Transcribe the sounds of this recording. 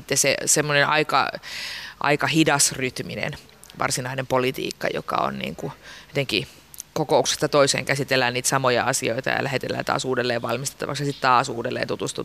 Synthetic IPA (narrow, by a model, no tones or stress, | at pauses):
it̪ːesḛsemːonenʔɑikɑ̰ | ʔɑ̰ikɑhidɑsryt̪minḛn | ʋʔɑ̰rsinɑinempolit̪ḭːkːɑjo̰kɑ̰o̰nnḭːŋkuot̪eŋki | kokoukse̥st̪ɑt̪oisḛːŋkæsit̪elːæːnniːt̪sɑmojɑɑsioit̪ɑ̰jɑ̰lʔæhet̪elːæ̰ːt̪ɑ̰ːsuːdelːeːʋʋɑlmist̪e̥t̪ːɑ̰ʋɑksjɑsit̪t̪ɑːsuːdelːḛːnt̪ut̪ust̪u